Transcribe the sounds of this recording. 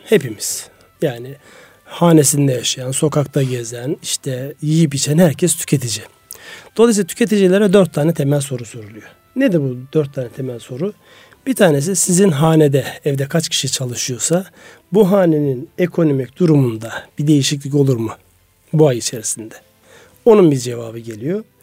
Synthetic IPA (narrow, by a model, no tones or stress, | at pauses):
he̞pimiz̥ | jaːni | haːne̞sind̪ɛjaʃajanso̞kʰak̚t̪ʰaɟezæniʃt̪ʰɛjijipit͡ʃʰɛnhæɾcʰɛst̪ʰy̥cʰe̞t̪ʰid͡ʒi | d̪̥o̞lˠajs̬iat̪ʰy̥cʰe̞t̪id͡ʒilʲeɾɛd̪øɾt̪ʰːaːnɛt̪ʰemɛlʲso̞ɾusyɾylˠujo | ned̪ibud̪øɾt̪ʰːaːnɛt̪ʰemælʲso̞ɾu | b̥it̪ʰaːnes̬isizinɦaːned̪ɛːvd̪ɛkʰat͡ʃcʰi̥ʃit͡ʃʰalˠɯʃɯjo̞sa | buɦaːne̞ninekʰo̞no̞micd̪̥uɾumund̪ab̥id̪e̞jiʃic̬lʲico̞lˠuɾmɯ | buajit͡ʃʰe̞ɾisind̪ɛ | o̞nunbiɾd͡ʒe̞vaːbɯɟe̞lʲijo̞